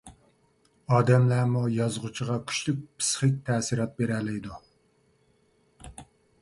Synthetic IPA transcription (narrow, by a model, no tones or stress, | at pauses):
ɑːd̪ɛmlæmujɑzʁut͡ʃʰiʁɑkʲʰy̥t͡ʃlyk̚ʲpʰɨ̥sχɨk̚ʲt̪ʰɛːsiɾɑt̪̚beɾɛlɪjd̪u